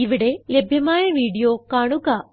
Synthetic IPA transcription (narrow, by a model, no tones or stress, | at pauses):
iʋiɽelɐbʱjɐmaːjɐʋiːɽijoːkaːɳuɣɐ